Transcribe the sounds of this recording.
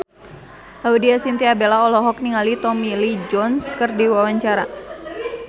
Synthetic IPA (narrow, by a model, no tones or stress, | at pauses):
laudiasint̪iabelaɔlɔɦɔk̚niŋalit̪ɔmilid͡ʒɔnskɨrdiwawaɲt͡ʃaɾa